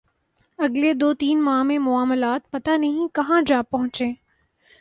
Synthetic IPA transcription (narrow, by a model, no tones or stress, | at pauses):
ɐɡled̪oːt̪iːnmaːɦmẽmʊaːməlaːt̪̚pɐt̪anɐɦĩkɐɦãd͡ʒaːpːɐɦʊ̃t͡ʃẽː